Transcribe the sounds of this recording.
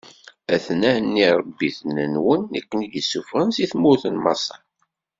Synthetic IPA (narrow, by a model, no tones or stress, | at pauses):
æθnænːiɾˤɑbːiθənənwənækʷːənidəsːufʁənsiθmuθənmɑ̰sˤɑ